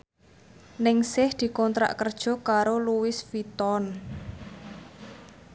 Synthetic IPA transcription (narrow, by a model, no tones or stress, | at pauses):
nɪŋsɪhd̪̥i̤kɔnt̪ɾa̰ʔkərd̥ʒ̥ɔ̤kaɾoluwɪsfit̪ɔn